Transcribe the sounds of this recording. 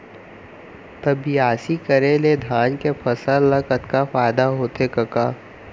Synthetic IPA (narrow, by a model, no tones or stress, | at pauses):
t̪ɐbiaːsikəɾeled̪ʱaːnkepʰɐsəlːɐkət̪kafaːɪd̪aɦoːt̪ekɐkaː